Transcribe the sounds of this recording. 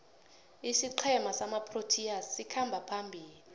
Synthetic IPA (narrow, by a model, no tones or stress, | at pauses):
isiǃʰɛmasamapʰʼrotʰijassikʰambʱapʰambʱiːli